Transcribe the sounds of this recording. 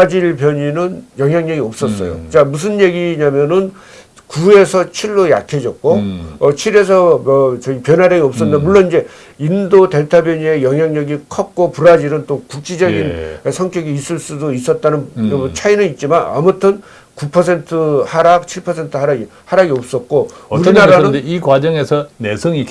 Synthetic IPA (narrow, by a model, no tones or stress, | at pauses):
ad͡ʑiɭpjʌɲinɯnjʌŋɦjaŋɲʌɡiʌp̚s͈ʌs͈ʌ̰jo̰t͡ɕamus̬ʰɯnjeɡiɲamjʌnɯn | kue̞sʰʌt͡ɕʰiɭːoja̰kʰe̞d͡ʑʌk̚k͈oʌt͡ɕʰiɾe̞s̬ʰʌʌt͡ɕʌɡipjʌnaɾjaɡiʌp̚s͈ʌndamuɭːoniɲd͡ʑe̞ | indote̞ɭtʰabjʌɲie̞jʌŋɦjaŋɲʌɡikʰʌp̚k͈opuɾad͡ʑiɾɯnt͈okuk̚t͡ɕ͈id͡ʑʌɡinsʰʌŋkʰjʌɡiːs͈ɯɭs͈udois͈ʌt̚t͈anɯnt͡ɕʰainɯnit̚t͡ɕ͈imana̰mutʰɯn | kupʰʌsʰe̞ntʰɯhaɾak̚t͡ɕʰiɭpʰʌsʰe̞ntʰɯɦaɾaɡi | haɾaɡiʌp̚s͈ʌt̚k͈ouɾinaɾanɯnikwad͡ʑʌŋe̞sʰʌnesʰʌŋi